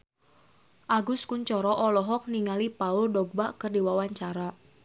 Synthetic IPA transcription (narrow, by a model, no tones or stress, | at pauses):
ʔaɡʊskʊnt͡ʃɔɾɔʔɔlɔɦɔk̚niŋalipauldɔɡ̚baʔkərdiwawaɲt͡ʃaɾa